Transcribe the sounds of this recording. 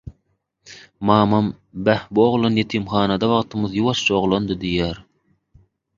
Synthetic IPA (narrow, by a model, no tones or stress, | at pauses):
mɑːmɑm | bæhbuoʁlˠonjet̪ʰimχɑːnɑd̪ɑβɑʁt̪ʰɯmɯðjuwɑʃt͡ʃʰɑoʁlˠond̪ɯd̪ijæːɾ